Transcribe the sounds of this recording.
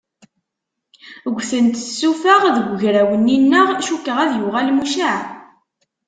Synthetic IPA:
ɡʷθənt̪sːufəʁðəɡʷʝɾæwənːinːəʁʃukːəʁæðjʊʁælmuʃaʕ

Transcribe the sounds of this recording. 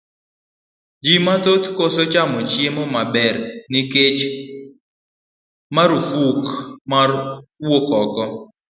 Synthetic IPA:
d͡ʒimat̪ot̪kosot͡ʃamɔt͡ʃjemɔmabɛɾniket͡ʃ | maɾufukmaɾwokɔkɔ

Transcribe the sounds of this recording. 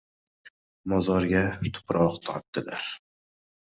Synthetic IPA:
mɒzɒɾɡʲat̪ʰʊ̥pɾʔɒqt̪ʰɒ̰ɾt̪̚d̪̥ɪla̰ɾ

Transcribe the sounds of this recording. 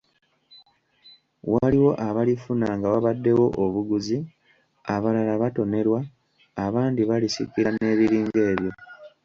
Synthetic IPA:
waliwo̞ʔaβalifunaŋɡaβaβadːe̞wo̞ʔoβuɡuzi | aβalalaβato̞ne̞ɾwaː | βaːndiβalisḭkiɾane̞ːβiɾiːŋɡe̞ːβjo̞

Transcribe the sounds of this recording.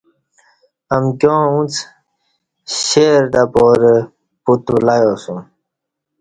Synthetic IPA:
amɡjõːũt͡s | ɕeːɾɖapoːɾe | put̪ulajoːsũ

